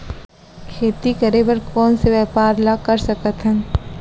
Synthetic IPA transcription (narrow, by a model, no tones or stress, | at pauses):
kʰeːt̪ikɐɾeʋɐɾkɔːnseʋɛːpaːɾlakɐɾsɐkət̪ɦɛ̃ː